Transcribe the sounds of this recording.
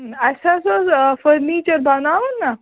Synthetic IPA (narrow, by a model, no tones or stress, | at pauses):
asasafəɾnit͡ɕəɾbanaʋənːa